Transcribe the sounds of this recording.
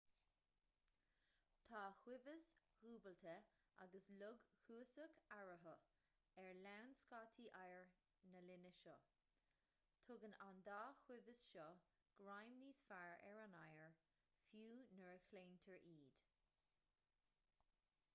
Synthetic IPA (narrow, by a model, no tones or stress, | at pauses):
t̪ʰaːhwɪvəshuːbəlt̪ʰə | ʔa̰ɡəslʊɡhuːsəkaɹəɦə | ɛɹlawnskɑːt̪ʰiʔajəɹ | nəlɪnəʃɔ | t̪ʰʊɡənand̪aːxwɪvəsʃɔ | ɡ̥ɹajmniːsfaɹɛ̰ɹanajəɹ | fjuːnəɹəkʰleːntʰəɹʔiːd̪̥